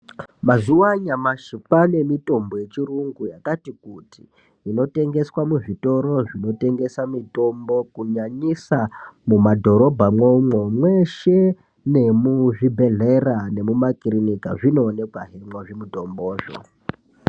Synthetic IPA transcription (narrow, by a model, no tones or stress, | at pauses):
mazuwaɲamaʃipane̞mito̞mboje̞t͡ʃiruŋɡujakatikutiː | no̞te̞ŋɡe̞swamuʐito̞ɾo̞ʐino̞te̞ŋɡe̞samito̞mbo̞kuɲaɲisamumadʱo̞ɾo̞bʱamomomweʃe̞ | ne̞muʐibʱe̞ɮerane̞mumakirinika̰ʐino̞ːne̞kwaɦemwoʐimuto̞mboːʐo̰